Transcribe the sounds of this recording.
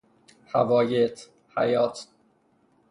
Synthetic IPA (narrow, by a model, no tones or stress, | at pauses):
hævɒːjet̪ʰ | hæ̰jɒːt̪ʰ